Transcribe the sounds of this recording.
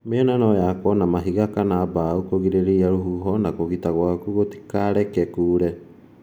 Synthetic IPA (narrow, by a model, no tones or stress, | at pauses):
meɛnanɔjakɔnamaɦiɣakanabaukoɣiɾeɾeiaɾoɦuɦɔnakoɣitaɣwakuɣoti̥kaɾɛkɛkuːɾɛ